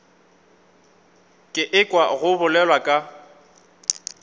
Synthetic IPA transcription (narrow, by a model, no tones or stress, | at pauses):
kʼɪʔɪkʼwaɣʊbʊlɛlwakʼa